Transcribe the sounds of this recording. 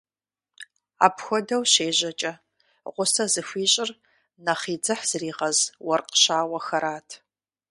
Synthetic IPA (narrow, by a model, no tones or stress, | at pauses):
a̰ːpxʷɔdɐwɕeːʑɐt͡ʃʼɐ | ʁʷʊsɐzɨfʷiːɕʼɪr | nɐχiːd͡zɨħz̥ɨriːʁɐzwɐrqə̥ɕaːwɐxɐɾaːtʰ